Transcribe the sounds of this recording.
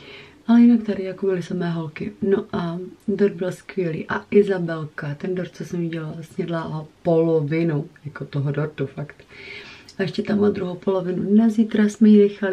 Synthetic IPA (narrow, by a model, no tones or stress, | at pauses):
ʔalɛjɪnakt̪adɪjakobɪlɪsamɛːɦo̞lkɪnoʔadoɾd̪̚bɪlskvɪjɛlḭːʔaʔɪzabɛlkat̪ɛndoɾt̪̚t͡sosɛmiɟɛlalsɲɛdlaʔopolovɪnujakot̪oɦodoɾt̪ufakt̪ | aɛʃcɛt̪amad̪ɾuɦowpolo̞vɪnunaziːt̪ɾasmɛjinɛxalɪ